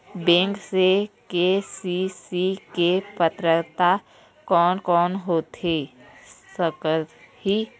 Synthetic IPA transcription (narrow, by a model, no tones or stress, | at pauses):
bẽːŋksekesisikepət̪ɾət̪a | kɔːnkɔːnɦoːt̪e | səkət̪ | hi